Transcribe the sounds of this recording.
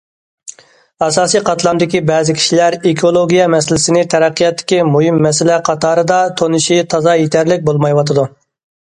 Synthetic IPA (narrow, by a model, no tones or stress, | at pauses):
ɑsɑːsijqʰɑt̪ʰlˠɑmd̪ɪkʲibɛːzɪkʲʰi̥ʃilæɾekʰolˠoɡʲijɛmɛsɪlɪsɪnɪt̪ʰɛɾɛqːijɑt̪ʰːɪ̥kʲimuɦimːɛsɪlɛqʰɑt̪ɑːɾɨd̪ɑt̪ʰonɨʃit̪ʰɑzɑjet̪ʰæɾlɪk̚ʲbolˠmɑjwɑt̪ʰɨd̪u